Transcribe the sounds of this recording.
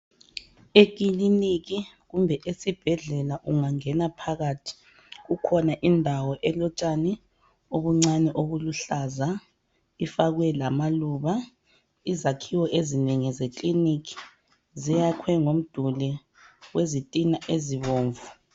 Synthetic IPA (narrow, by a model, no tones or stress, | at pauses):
ek̬ʼiliniɣiɣumbʱɛʔesib̥ʱɛɮɛlaʔuŋaŋɛnapʰaɣaːtʰi̥ | ɣukʰɔnaʔindʱawɔʔɛlɔt͡ʃʼanɛ | oβuŋ͡ǀanɛʔoɣuluɬaza | ifaɣwɛlamaluβa | izakʰiwɔʔezineŋizekʼliniki̥ | zijakʰwɛŋom̩d̥ʱulɛ | wezitʼinaʔeziβoːɱvu